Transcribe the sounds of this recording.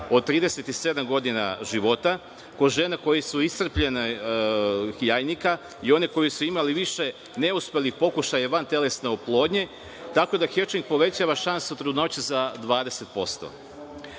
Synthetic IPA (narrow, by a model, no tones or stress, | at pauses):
od̪̚t̪ːɾiːd̪eset̪ise̞d̪amɡo̞d̪ina̰ʒiʋo̞t̪a | ko̞ʒe̞nako̞jesuisr̩pʎene | jaːjnika | io̞neko̞jisuimaliʋiʃe̞ | ne̞uspelixpo̞kuʃajaʋant̪e̞le̞sneoplˠo̞ːd̪ɲe̞ | t̪ako̞d̪axet͡ʃnik̚po̞ʋe̞t͡ɕaʋaʃansuut̪ɾud̪no̞t͡ɕuzad̪ʋaːd̪e̞set̪̚po̞st̪o̰